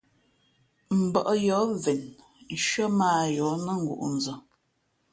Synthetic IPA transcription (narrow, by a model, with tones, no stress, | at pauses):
m̩˨bə˨ʔjɔ˨˦vɛ˨n˦ | ʃɥə˦maː˦˨jɔ˨˦nə˦ŋ̩˨ɡṵ˨ʔn̩˨d͡zə˨